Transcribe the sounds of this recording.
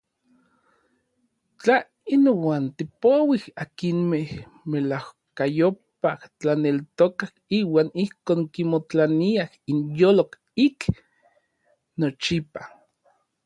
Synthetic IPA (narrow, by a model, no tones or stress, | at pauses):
t͡ɬa | inowaːnt̪ipowihakinmeh | melahkajopaht͡ɬanelt̪okahiːwaːnihkoːŋkimot͡ɬaniahinjoːlok | ik | not͡ʃipa